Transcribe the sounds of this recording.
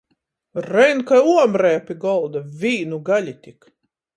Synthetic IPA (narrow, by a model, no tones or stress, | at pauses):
ɾɛnkajuɔmɾɛːpʲiɡɔlˠd̪avʲiːnuɡalʲit̪ʲik